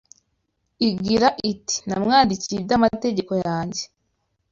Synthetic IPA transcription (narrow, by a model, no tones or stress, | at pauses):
iɡiɾaʔiti̥namŋaːndicibɟamate̞ɟe̞ko̞jaːɲɟe